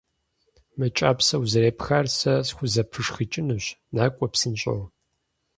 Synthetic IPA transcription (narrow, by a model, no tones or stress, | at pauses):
mɐt͡ʃʼaːpsɐwuzɐɾeːpʰxɐrsɐsxʷʊzɐpʰɨʂxɨt͡ʃʼɪnɨɕnaːkʷʼɔpsɨnɕʼɐ̰w